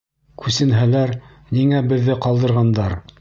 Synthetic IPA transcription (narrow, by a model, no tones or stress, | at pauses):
kʰʉsɘ̆nɦælæɾ | niŋæbɘ̆ðːɘqɑlˠd̪ɤ̆ɾʁɑnd̪ɑɾ